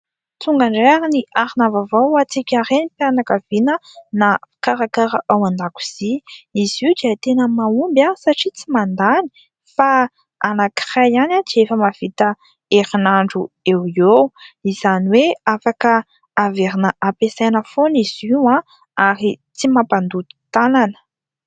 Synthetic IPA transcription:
t͡suŋɡaɳɖ͡ʐeaɾiniʔaɾinavavawat͡sikʲaɾenipianakav̥inənakaɾakaɾaʔawand̪aku̥z̥iiziud̪iət̪enəmaumbasaʈ͡ʂit͡simand̪ani̥ | fa | anaki̥rajanat͡siefəmav̥it̪ə | eɾinaɳɖ͡ʐuewiowiz̥aniweafakə | aveɾinəʔapesanəfoniz̥iwã | aɾit͡simapand̪ut̪i̥t̪alanə̥

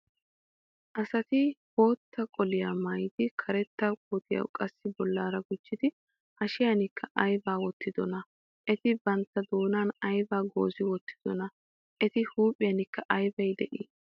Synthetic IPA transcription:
ʔɐsɐt̪ɪho̞ːt̪ːɐkʼɔlɪjaːmɐjd̪ɪkʰɐɾɛt̪ːakʼoːt̪ɪjɐ̰wkʼɐsːɪbɔlːaːɾɐɡʊd͡ʒːɪd̪ɪ | ʔɐʃɪjanɪkʰːɐʔɐjbaːwɔt̪ːɪd̪ɔnɐ | ʔɛt̪ɪbɐnt̪ːɐd̪o̞ːnaːnɐjbaːɡo̞̰ːzɪwɔt̪ːɪ̥d̪ɔnɐ | ʔɛt̪ɪhuːpʼːɪjɐnɪkːɐʔɐjbɐjd̪ɛʔiː

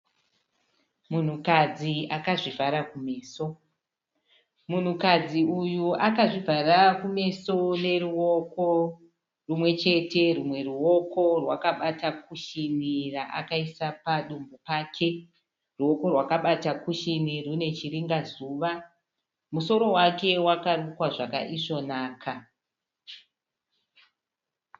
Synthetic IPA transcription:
mun̤ukad͡ziakaʐivʱaɾakume̞ːso̞ | mun̤ukad͡ziujuakaʐivarakume̞so̞ne̞ruwo̞ko̞ | rumwe̞t͡ʃe̞te̞rumwe̞ruwo̞ko̞rwakaɓatakuʃiniraʔa̰kaisapaɗumbopaːkʰe̞ | ruwo̞ko̞rwakaɓatakuʃinirune̞t͡ʃiriŋɡazuʋa | muso̞ɾo̞wake̞wakarukwaʐa̰ka̰ʔiʐo̞naːkʰa

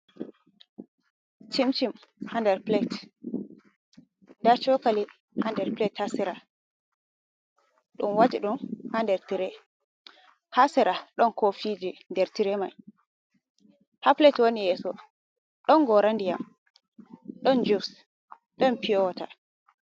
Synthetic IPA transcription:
timt͡ʃimhandɛɾplɛt | ndat͡ʃɔkali | handɛɾplɛthasɛɾa | ɗumwad͡ʒiɗumhandɛɾtiɾɛ | hasɛɾaɗɔnkofid͡ʒindɛɾtiɾɛma̰j | haplɛtwonijɛsɔ | ɗɔnɡɔɾandija̰m | ɗɔnd͡ʒus | ɗɔnpijɔwata̰

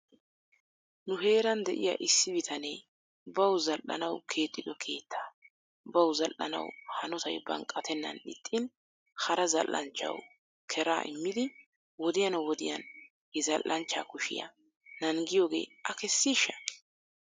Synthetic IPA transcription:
nʊɦe̞ːɾɐnd̪ɛʔɪjɐ̰ːʔɪsːɪbɪt̪ʰɐnḛː | bɐwzɐlʔɐ̰nɐwkʰe̞ːt̪ʼːɪd̪ɔkʰe̞ːt̪ʰːaː | bɐwzɐlʔɐ̰nɐ̰whɐnɔt̪ɐ̰jbɐ̰ŋkʼːɐt̪ʰɛnːɐ̰nɗɪ̰t̪ʼːɪn | hɐɾɐzɐ̰lːɐ̰nt͡ʃːɐ̰w | kʰɛɾa̰ːʔɪ̰mːɪd̪ɪ | wɔd̪ɪjɐnwɔd̪ɪjɐ̰n | hɛzɐlʔʔɐnt͡ʃːaːkʊʃɪ̰jɐ̰ | nɐŋɡɪjoːɡe̞̰ːɐkɛsːiːʃːɐ̥

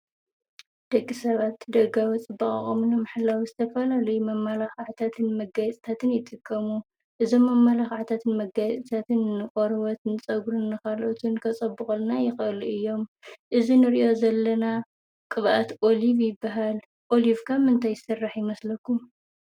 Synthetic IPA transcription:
d̪̥ɐɡʼːisɐβat̪d̪ɐɡawɔt͡sʼɨbɐχʼɐ̰χʼomnɨmaħlawizɨt̪ʰɐfɐlalɐjumɐmːalaxʕt̪ʰat̪ʰɨnmɐɡajɛt͡sʼt̪ʰat̪ʰɨnjɪt̪ʼɨkʼːɐmu | ʔɨzo̞mːɐmːalaxaʕt̪ʰat̪ʰɨnmɐɡajt͡sʼɨt̪ʰat̪ʰɨnɨkʼoɾβɐt̪nɨt͡sʼɐɡɾunːɨkʰalʔot̪ʰunkʰɐt͡sʼɐbːɨxʼɐlnajɪxʔluʔɨjːo̞mʔɨzinɨɾiʔo̞zɐlːɐna | kʼɨβʔat̪ʔo̞livjɪbːaɦal | ʔo̞livkʰamɨnt̪ʰajɨsɨrːaħjɪmɐslɐkʰːu

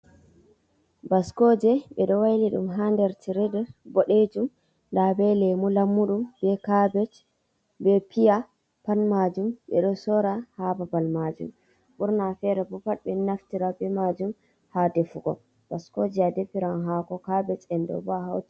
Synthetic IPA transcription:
baskɔd͡ʒɛɓɛɗɔwajliɗumɦandɛɾtiɾɛdɛbɔɗed͡ʒum | labɛlɛmulamːuɗumbɛkabɛt͡ʃ | bɛpija | panmad͡ʒumɓɛ̰ɗɔsɔɾahababalmad͡ʒṵm | ɓuɾnafɛɾɛbɔpaɗɓɛnaftiɾabɛmad͡ʒum | hadefuɡɔ̰ | b̥askod͡ʒɛadɛpːiɾanɦakɔkabɛt͡ʃɛndɔ̰bɔaɦa̰wti

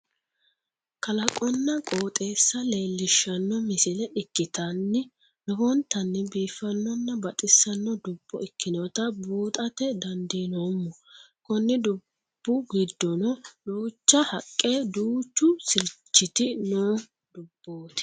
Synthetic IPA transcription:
kɐlɐkʼɔnːɐkʼoːt̪ʼeːsːɐle̞ːlːɪʃːɐnːɔmɪsɪlɛʔɪkːɪt̪ɐnːɪ | lɔhɔnt̪ɐnːɪbiːfːɐnːɔnːɐbɐt̪ʼɪsːɐnːɔd̪ʊb̥ːɔ̰ʔɪkːɪnɔt̪ɐbuːt̪ʼɐt̪ɛd̪ɐnd̪iːnoːmːɔ | kɔnːɪd̪ʊ | b̥ːʊɡɪd̪ːɔnɔduːt͡ʃːɐhɐkʼːed̪uːt͡ʃːʊsɪɾt͡ʃːɪt̪ɪnoː | d̪̥ʊb̥ːoːt̪ɪ̥

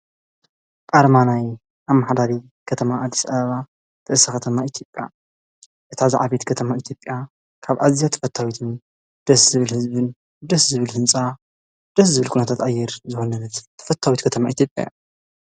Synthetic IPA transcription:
kʼaɾmanaj | ʔamːaħd̪aɾi | kʰɐt̪ʰɐmaːd̪ːisaβɐβa | t̪ʰɐʔsakʰɐt̪ʰɐmait̪ʰjo̞pʼːja̰ | ʔɨt̪ʰazaʕaβet̪kʰɐt̪ʰɐmait̪ʰjopʼːja | kʰaβʔazijat̪ʰɐ̥fɐt̪ʰːawit̪ʰɨn | d̪̥ɐszɨβɨlhɨzbɨn | d̪ɐszɨβɨlhɨnt͡sʼa | d̪̥ɐs̬zɨβɨlkʰunɐt̪ʰat̪ajːɛɾzɨxonɐnɐt̪t̪ʰːɐ̥fɐt̪ʰːawit̪kʰɐt̪ʰɐmaʔit̪ʰʲjo̞pʼja̰j

